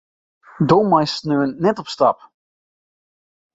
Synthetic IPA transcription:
donmajsnøːənːɛtɔpstɑ̰p

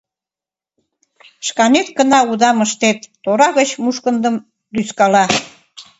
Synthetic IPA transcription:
ʃkɑnet̪kənɑud̪ɑməʃt̪et̪ːoɾɑɣət͡ɕmuʃkənd̪əm | d̪yskɑlɑ

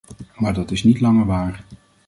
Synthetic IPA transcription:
maːɹdɑtɪsnitlɑŋəɹʋaːɹ

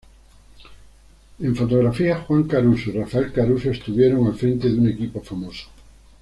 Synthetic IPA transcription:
ẽɱfot̪oɣɾafiaxwãŋkaɾusirafaelkaɾusest̪uβjeɾoŋafɾẽnt̪eðuŋekipofamoso̥

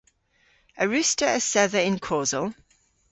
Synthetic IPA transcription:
əɹʉˑstəəsɛðəɪ̃nkʰɔːzəlˠ

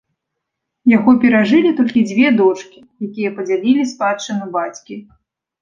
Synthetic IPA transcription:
jaɣɔpʲɛɾaʐɨlʲit̪ɔlʲkʲid͡zʲvʲɛd̪ɔt͡ʂkʲi̥ | jakʲijɛpɐd͡zʲalʲilʲispat͡ʂɨnubat͡sʲkʲi

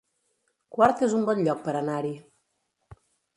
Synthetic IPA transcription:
kwaɾt̪ezumbɔnʎɔk̚pəɾanaɾi

